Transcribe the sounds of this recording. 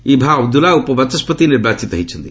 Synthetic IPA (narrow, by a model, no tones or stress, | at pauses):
ibʱaɐbd̪ulaupəbɐt̪ɐspət̪inebaːt̪t͡ʃit̪ɐɦit͡ʃʰənd̪i